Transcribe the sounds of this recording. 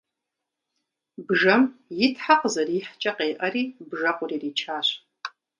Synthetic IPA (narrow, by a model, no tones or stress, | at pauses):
bʐɐmjɪtʰħaqʼzɐriːħt͡ʃʼɐqʼeːʔɐriːbʐɐqʷʼʊriːriːt͡ʃʰaːɕʷ